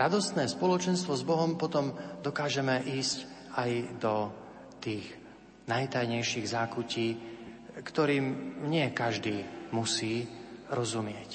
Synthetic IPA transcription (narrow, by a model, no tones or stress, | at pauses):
ɾad̪ɔst̪nɛːspɔlɔt͡ʃɛnst̪ʋɔzbɔɦɔmpɔt̪ɔmd̪ɔkaːʒɛmɛʔiːsc | ajd̪ɔ | t̪iːɣ | najt̪ajɲɛjʃiɣzaːkuciː | kt̪ɔɾiːmɲɪɛkaʒd̪iːmusiːɾɔzumɪɛc